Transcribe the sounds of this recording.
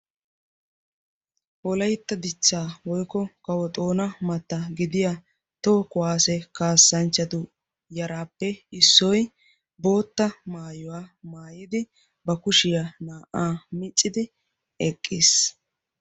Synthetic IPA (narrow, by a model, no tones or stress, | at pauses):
ʔɔlɐjt̪ːɐd̪ɪt͡ʃːaːwɔjkːɔkɐwɔt̪ʼo̞ːnɐmɐt̪ːɐɡɪd̪ɪja | t̪ɔkʊwaːsɛkaːsːɐnt͡ʃːɐt̪ʊ | jɐɾaːpːɛɪsːɔj | bo̞ːt̪ːɐmaːjɔwaːmaːjɪd̪ɪ | bɐkʊʃɪjanaːʔaːmɪt͡ʃʼːɪd̪ɪ | ɛkʼːiːs